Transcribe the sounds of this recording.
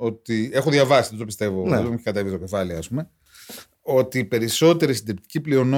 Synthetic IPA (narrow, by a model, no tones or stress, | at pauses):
o̞t̪ie̞xoðʝɐvɐsiðet̪opist̪e̞vomeçikɐt̪evist̪ocefɐliɐspume̞ | o̞t̪ipe̞ɾiso̞t̪e̞ɾisind̪ep̚t̪i̥ciplio̞no